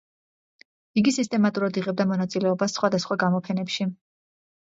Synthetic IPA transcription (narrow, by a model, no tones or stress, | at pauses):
iɡisist̪ʼɛmat̪ʼuɾad̪iʁɛb̚d̪amɔnat̪sʼilɛɔbasːχwad̪asχwaɡamɔpʰɛnɛpʃi